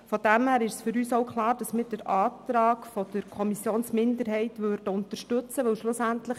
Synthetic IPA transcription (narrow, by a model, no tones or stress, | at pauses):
fɔd̥æmhæːɾɪʃsfʏɾyːsoʊkχlˠɑːɾd̥ɑsmɪːd̥əɾɑːt̪ɾɑːkfɔd̥əɾkʰɔmisjoːnsmɪndəɾɦɛɪtʋørd̥əʊnt̪ərʃtʉt͡səʋɵwʃlʊsæntləχ